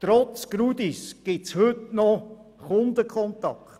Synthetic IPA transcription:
t̪ɾɔt͡sɡ̥ɾud̪isɡ̥ɪtshɵtnɔ | χʊnd̪əkʰχɔntɑ̰kt

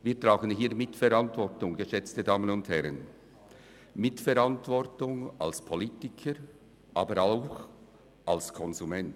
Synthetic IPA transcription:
viːɐtʁaːɡənɦiːɐmɪtfɛɾɑntvɔɾtʊŋɡəʃɛt͡stədaːmənʊnthɛɾən | mɪtfɛɾantvɔrtʊŋa̰lspʰolitɪkʰəɾ | ʔaːbəɾaʊx | ʔalskʰɔnzumɛnt

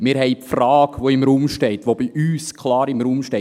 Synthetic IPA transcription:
mɪːɾhɛɪpfrɑːɡ̥ʋoɪmɾuːmʃtɛɪt̪ʋob̥iʔyːskʰlɑːɾɪmɾuːmʃtɛ

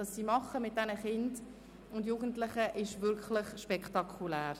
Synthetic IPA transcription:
ɑsːiːmɑχəmɪt̚d̥ɛnəχɪnd | ʊndjuːɡən̩tlɪχəʔɪʃvʏɾklɪχʃpɛkχtɑkʰulæːɾ

